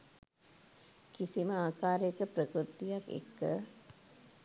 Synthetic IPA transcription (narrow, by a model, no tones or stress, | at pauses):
kisiməaːkaːɾekəpɾəkɾut̪ijakḛkːə